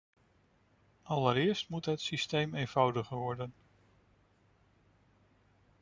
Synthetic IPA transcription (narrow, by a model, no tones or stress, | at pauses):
ɑləɾɪːɹstmutɦətsistejmejnv̥ɑwdəχəʋɔɹdən